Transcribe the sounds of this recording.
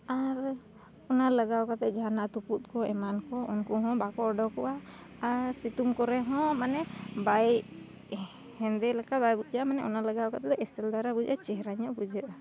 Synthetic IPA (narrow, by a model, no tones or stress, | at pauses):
aɾ | ɔnaləɡawkat̪ɛˀd͡ʒanat̪uput̪̚kɔɛmankɔunkɔɦɔ̃bakɔɾɖɔkɔ̰ʔa | aɾsit̪umkɔɾɛɦɔ̃manɛbaj | hɛnd̪ɛlakabajbud͡ʒamanɛʔɔnaləɡawkat̪ɛt̪ɛʔɛsɛld̪aɾabud͡ʒat͡ʃɛɦɾaɲɔʔbud͡ʒɛʔ̪a